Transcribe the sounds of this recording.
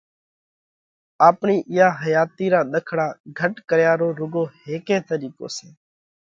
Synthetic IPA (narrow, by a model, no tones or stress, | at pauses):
aːpɳiːʔɪjaːɦəjaːt̪iːɾãːɗ̪əkʰɽãːɡʱəʈkəɾjaːɾoːɾʊɡoːheːkẽːt̪əɾiːko̰ːsẽː